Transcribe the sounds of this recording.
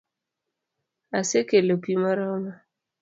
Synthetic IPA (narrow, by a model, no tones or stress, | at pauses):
asekelopimaɾama